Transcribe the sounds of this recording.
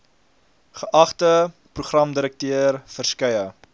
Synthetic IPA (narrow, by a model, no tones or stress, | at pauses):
χəʔɐχtə | pruχrɐmdəɾək̚tøərfərskɐjə